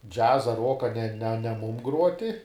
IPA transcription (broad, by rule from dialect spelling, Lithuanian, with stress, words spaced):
ˈd͡ʒʲæːzɐ ˈruɔkɐ nʲɛ nʲɛ nʲɛ ˈmuːm ˈɡruɔtʲɪ